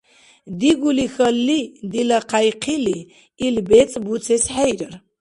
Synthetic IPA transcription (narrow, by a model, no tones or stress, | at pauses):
d̪iɡulixəlːid̪ilaqʰajqʰiliː | lbɛt͡sʼbut͡sʰɛsħajɾəɾ